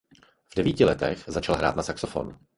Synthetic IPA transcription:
vdɛviːcɪlɛt̪ɛxzat͡ʃalɦɾa̰ːt̪nasaksofo̞̰n

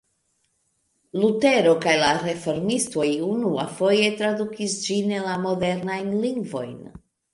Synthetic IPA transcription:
lute̞ɾo̞kajlaɾe̞fo̞ɾmisto̞junuafo̞je̞tɾadukisd͡ʒinelamo̞de̞ɾnajnliŋɡvo̞̰jn

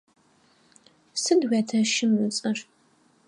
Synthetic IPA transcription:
sɨdwʷætʰɐʃɪmɨt͡sʼɐr

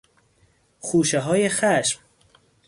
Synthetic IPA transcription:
xuːʃeɦɒːjexæʃm

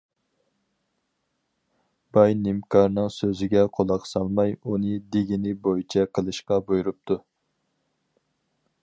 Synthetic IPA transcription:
b̥ɑjnɪmkʰɑɾnɨŋsøzɪɡʲɛqʰolˠɑqsɑlˠmɑjunɨd̪ɪɡʲinɪbojit͡ʃʰɛqʰəlˠɨʃqɑbojuɾup̚t̪ʰu

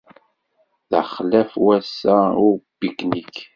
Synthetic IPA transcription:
ða̰χlæfwæsæʊɾbiknik

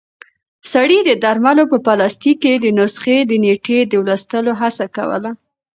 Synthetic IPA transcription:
saɽid̪əd̪aɾmalopəpalɑst̪ikːed̪ənʊsxed̪əneʈed̪əwlast̪əloɦasaka̰wə̰la

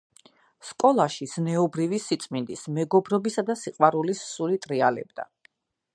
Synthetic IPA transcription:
skʼɔlˠaʃiz̥nɛɔbɾivisit̪sʼmind̪ismɛɡɔbɾɔbisad̪asiqʼwaɾulisːulit̪ʼɾialɛ̰bd̪a̰

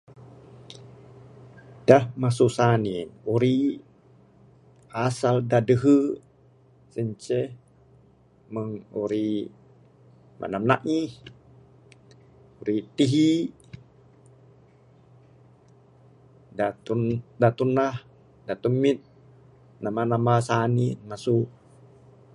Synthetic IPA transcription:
dahmasusaninuɾi | asaldadəɦə | səɲt͡ʃɛ | məŋuɾi | mʔa̰namna̰ʔŋi | uɾit̪iɦi | dat̪undat̪unah | dat̪umːit̪̚ | namanamasaninmasu

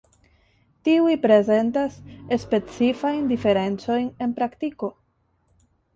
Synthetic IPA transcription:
tiujpɾeze̞ntase̞spe̞t͡sifajndife̞ɾe̞nt͡so̞jne̞npɾaktiko̞

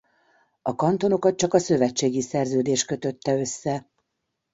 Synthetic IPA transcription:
ɒkɒnt̪o̞no̞kɒt̪̚t͡ʃɒkɒsø̞vɛt͡ʃːeːɡisɛrzøːd̪eːʃkø̞t̪ø̞t̪ːɛø̞sːɛ

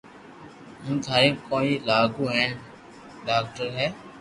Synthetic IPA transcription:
ɦũːt̪ʰaːɾẽːkõːiːlaːɡuːɦɛ̃ːɳ | ɖaːk̚ʈəɾɦɛː

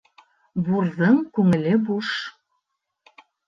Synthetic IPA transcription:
burðɤŋkuŋɘ̆lʲɘ̆buʃ

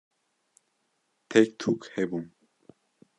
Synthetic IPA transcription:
t̪ʰɛkt̪ʰukhɛbum

